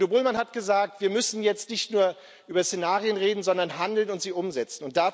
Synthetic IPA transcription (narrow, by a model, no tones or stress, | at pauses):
obʊlmanhatɡ̥əzaːk̚tv̥iːɐmʏsn̩jɛt͡stnɪçtnuːɐ | ʔyːbɐsenaːʁiənʁeːdn̩zɔndɐnɦandl̩nʊntz̥iːʔʊmzɛt͡sn̩ʊnt̚d̥aː